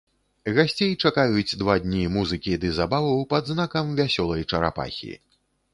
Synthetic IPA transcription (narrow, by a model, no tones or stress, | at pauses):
ɣasʲt͡sʲejt͡ʂakajud͡zʲd̪vad̪ʲnʲimuzɨkʲid̪ɨzabavɐwpɐd̪znakɐmvʲasʲɔlˠɐjt͡ʂɐɾa̰pa̰xʲḭ